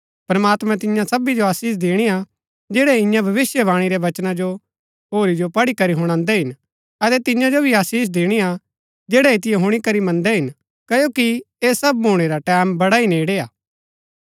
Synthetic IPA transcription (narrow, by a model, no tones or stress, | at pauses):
pɾɐmaːt̪mɛ̃t̪ɪjãsɐbid͡ʒoaːsiːs̬d̪eːɽ̃ija | d͡ʒeːɽɛɪ̃jãbʱɐʋɪsjəbãːɽ̃iɾɛʋɐt͡ʃnad͡ʒo | ɦoːɾid͡ʒopɐɽikɐɾiɦʊɽ̃ãːnd̪ɛɦɪn | ɐt̪ɛt̪ɪ̃jãd͡ʒobʱiaːsiːs̬d̪eːɽ̃ija | d͡ʒeːɽɛɪt̪ɪjɛɦʊɽ̃ikɐɾimɐ̃nd̪ɛɦɪn | kɐjoːki | eːsɐbɦuːɽ̃eɾaʈɛːmbɐɽaineːɽeaː